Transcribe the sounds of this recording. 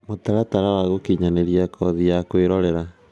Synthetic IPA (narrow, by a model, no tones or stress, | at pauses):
motaɾataɾawaɣokiɲaneɾiakʰɔðijakweɾɔɾɛɾa